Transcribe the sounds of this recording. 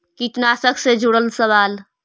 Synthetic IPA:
kiʈnasəksed͡ʒʱuɽəlsəʋaːl

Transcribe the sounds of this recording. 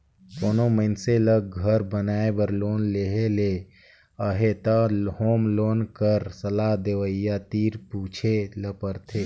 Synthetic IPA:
koːnoməɪnseləɡ̚ɡʱəɾbənaːebəɾloːnleɦele | əɦet̪əhoːmloːnkəɾsəlaɦd̪eʋəjat̪iːɾpuːt͡ʃʰeləpəɾt̪ʰeː

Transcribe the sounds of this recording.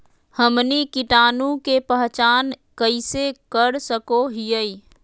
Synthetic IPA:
həmnikɪʈaːnũkepəɦt͡ʃaːnkəɪsekəɾsəkoɦijəi

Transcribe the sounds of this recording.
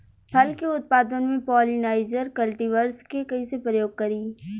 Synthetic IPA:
pʰɐlkeʊt̪̚paːd̪ənmẽpɔːlinaːɪd͡ʒəɾkɐlʈiʋəɾskekɐĩsepɾəjoːɡ̚kɐɾiː

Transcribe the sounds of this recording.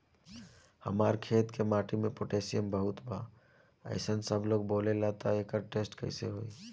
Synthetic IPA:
həmaːɾkʰeːt̪kemaːʈimẽpoʈeːsijəmbəɦʊt̪bʱaː | ə̰ɪsənsəbloːɡboːlelaːt̪aeːkəɾʈeːsʈkɐ̰ɪsḛɦoːi

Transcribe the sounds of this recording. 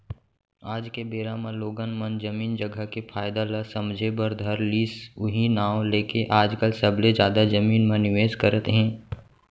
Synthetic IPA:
aːd͡ʒkebeːɾamãloːɡənmənd͡ʒɐmiːnd͡ʒɐɡʱəkepʰaːjd̪aləsɐmd͡ʒʱebəɾd̪ʱɐɾliːsʊɦinaːwõleːkeʔaːd͡ʒkəlsɐbled͡ʒjaːd̪ad͡ʒɐmiːnmãnɪʋeːzkəɾət̪ɦɛ̃ː

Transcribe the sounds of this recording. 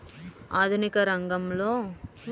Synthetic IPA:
aːd̪ʱunikɐɾɐŋɡɐmloː

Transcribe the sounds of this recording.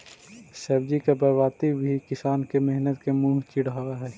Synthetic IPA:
sɐbd͡ʒikebɐʋaːt̪ibʱikɪsaːnkemɛɦnət̪kemũːɦt͡ʃɪɽaːaɦɛː

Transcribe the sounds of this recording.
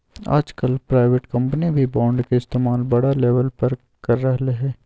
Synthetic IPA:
a̰ːd͡ʒkəlpɾaːɪʋeʈkɐ̃mpənibʱibãːɳɖkeɪst̪eːmaːlbɐɽaleːʋəlpɐɾ | kɐɾːɐɦleɦɛː

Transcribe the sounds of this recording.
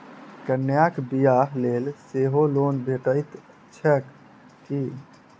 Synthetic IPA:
kənjakbijaɦlelseɦolonbʱeʈəɪt̪ | t͡ʃʰək | ki

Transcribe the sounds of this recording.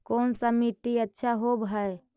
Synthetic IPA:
koːnsəmit̪iətːʃʰaɦobʱɦəe

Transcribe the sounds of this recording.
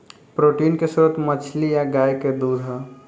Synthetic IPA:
pɾoːʈiːnkesuɾət̪mət͡ʃʰlijaɡaːjked̪uːd̪ʱɦa

